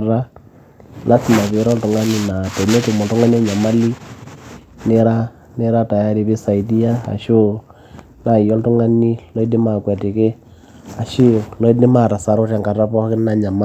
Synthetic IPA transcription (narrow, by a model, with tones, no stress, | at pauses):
ra˦ | lʔa˦sɪ˨ma˨βe˨ɾɔ˦ltʊ˨ŋa˦ni˦na˨tɛ˨ne˦tu˨mɔ˨ltʊ˦ŋa˦ni˦a˦ɲa˨ma˦li˦ | ne˦ɾa˦ | ne˦ɾa˦ta˨ja˦ɾi˨bi˦sa˨i˨di˦ja˦a̰˨ʃo˦ | na˨jɔ˦ltʊ˦ŋa˦ni˦lɔ˦i˦dɪ˦ma˨kwɛ˨tɪ˨kɪ˦ | a˨ʃʊ˦˨lɔ˦i˦dɪ˦ma˦˨ɾa˨sa˨ɾʊ˦ta˨ŋka˨ra˦pɔ˦kɪ˦na˨ɲa˨ma˦